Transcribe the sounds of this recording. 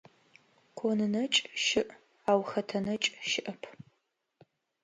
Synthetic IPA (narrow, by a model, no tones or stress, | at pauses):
kʷʰonɨnɐt͡ʃʼʃɪʔ | aːwxɐtʰɐnɐt͡ʃʼʃɪʔɐpʰ